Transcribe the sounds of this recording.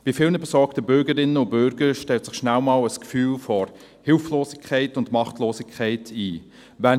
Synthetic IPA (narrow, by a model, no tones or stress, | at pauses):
b̥ifɪlnəbɛsɔɾktəbʏɾɡəɾɪnːəʊnb̥ʏɾɡəɾʃtɛltsɪχʃnælmɑːləskfyːlfɔɾ | hɪlfloːsɪkʰχɛɪtʊndmɑχtloːsɪkʰχæɪtʰiː | vɛn